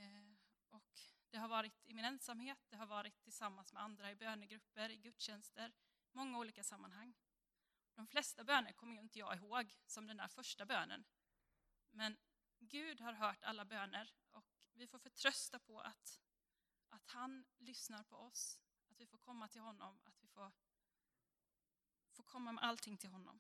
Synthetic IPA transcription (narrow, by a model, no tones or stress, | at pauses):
ɔkd̪̥ɛɦaɾvɑːɾɪt̪ɪmɪnɛnsamheːt̪̚d̪ɛɦaɾvɑːɾɪt̪ʰːɪlsamːansmɛand̪ɾaɪbøːnəɡɾɵpːəɾɪɡɵt̪ːɕɛnst̪əɾ | mɔŋːauːliːkasamːanɦaŋː | d̪̥ɔmflɛst̪abøːnəɾkʰɔmːəjɵɪnt̪əjɑ̰ːɪɦoːɡsɔmd̪ɛnd̪æ̰ːɾfœʂʈabøːnə̰n | mɛn | ɡʉ̟ːd̪haɾɦœːʈa̰lːabøːnəɾ | ɔkvɪfoːɾfœʈʰɾœst̪apʰɔʔa̰t̪ | ʔat̪hanlʏsnaɾpʰɔɔs | at̪vɪfoːɾkʰɔmːat̪ʰɪlɦɔnːɔ̰ma̰t̪vɪfoːɾ | foːɾkʰɔmːamɛ̰ʔalt̪ʰɪŋːt̪ʰɪlɦɔnːɔ̰m